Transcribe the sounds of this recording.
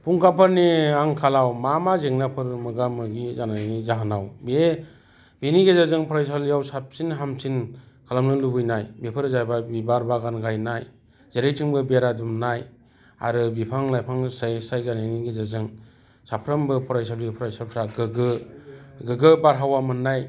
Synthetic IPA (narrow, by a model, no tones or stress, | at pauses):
pʰuŋkʰapʰɯɾniaŋkʰalawmamazeŋnapʰɯɾmɯɡamɯɡizanajnizaɦanawbe | beniɡezazɯŋpʰɔɾajs̬alijawsap̚sinɦamsin | kʰalamnɯlubɯjnajbepʰɯɾzajbabibaɾbaɡanɡajnaj | zeɾejtʰiŋbɯbeɾadumnaj | a̰ɾɯbipʰaŋlajpʰaŋsajsajɡaniniɡezazɯŋ | sapʰɾambɯpʰɔɾajsalipʰɔɾajsap̚sʰaɡɯɡɯ | ɡɯɡɯbaɾɦawamɯnːaj